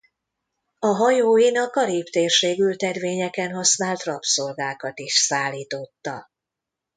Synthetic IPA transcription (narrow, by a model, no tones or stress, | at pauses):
ɒɦɒjoːjinɒkːɒɾiːpt̪eːrʃeːɡylt̪ɛrveːɲɛkɛnɦɒsnaːlt̪rɒpso̞lɡaːkɒt̪iʃsaːlːiːt̪o̞t̪ːɒ